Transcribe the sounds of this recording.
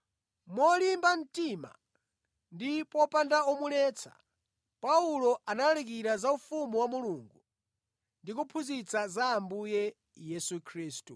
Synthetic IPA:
mɔlimban̩tima̰ | ndipɔpandaɔmulɛt͡sʰḁ̰ | paulɔʔanalalik̬iɾazaufumuwamuluŋɡu | ndik̬upʰuzit͡sazaːmbujɛ | jɛsukʰɾiːstu

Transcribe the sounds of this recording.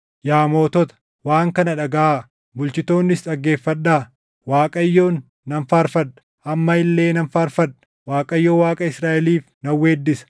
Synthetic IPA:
jaːmo̞ːt̪ɔt̪ɐ̥ | waːŋkɐnɐᶑɐɡɐʔaː | bʊlt͡ʃɪt̪o̞ːnːɪsᶑɐɡːe̞ːfːɐᶑːaː | waːkʼɐjːo̞ːnː | ɐnfaːɾfɐᶑɐ̥ | ʔɐmːɐɪlːe̞ːnɐnfaːɾfɐᶑɐ̥ | waːkʼɐjːoːwaːkʼɐɪsɾaːʔɛliːfnɐwːeːd̪ːɪsɐ̥

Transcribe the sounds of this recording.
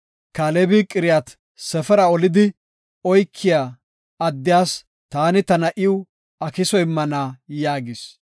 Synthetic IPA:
kaːlɛbikʼɪɾɪjat̪ | sɛfɛɾɐɔlɪd̪ɪ | ɔjkʰːɪjaː | ɐd̪ːɪjaːs | t̪aːnɪt̪ɐnɐʔɪʊ | ɐkɪsɔjɪmːɐnaːjaːɡɪs

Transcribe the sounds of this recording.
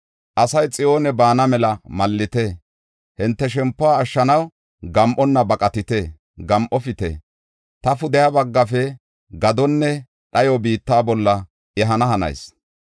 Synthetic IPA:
ʔɐsɐjt͡sʼɪjo̞ːnɛbaːnɐmɛlɐmɐlːɪt̪eː | hɪnt̪ːɛʃɛmpːʊaːʃːɐnɐw | ɡɐmʔɔnːɐbɐkʼɐt̪ɪt̪e | ɡɐmʔɔfɪt̪ḛ | t̪ɐfʊd̪ɛjabɐɡːɐfɛ | ɡɐd̪ɔnːɛ | ɗɐjɔbiːt̪ːaːbɔlːɐ | ʔɛɦɐnɐɦɐnɐ̰js

